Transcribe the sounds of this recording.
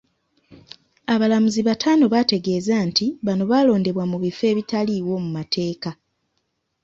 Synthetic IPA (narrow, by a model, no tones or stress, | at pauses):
aβalamuziβatʰaːno̞βate̞ɡe̞ːzantiβano̞βaːlo̞ːnde̞βwamuβife̞ːβitaliːwo̞mumatʰe̞ːka